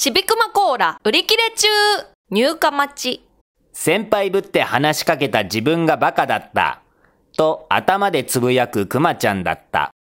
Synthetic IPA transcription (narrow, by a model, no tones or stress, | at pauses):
ɕibʲikɯ̟mako̞ːɾaɯ̟ɾʲikʲiɾe̞t͡ɕɨː | ɲ̟ɨːkamat͡ɕi | sẽ̞mpaibɯ̟t̪ːe̞hanaɕi̥kake̞t̪ad͡ʑibɯ̟̃ŋɡabakad̪at̪ːa̰ | t̪o̞a̰t̪amad̪e̞t͡sɨbɯ̟jakɯ̟kɯ̟mat͡ɕãnd̪a̰t̪ːa̰